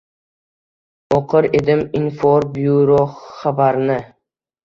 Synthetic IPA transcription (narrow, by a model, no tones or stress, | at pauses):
oqʰɨɾed̪ɪminfoɾbjuɾoχabaɾnɪ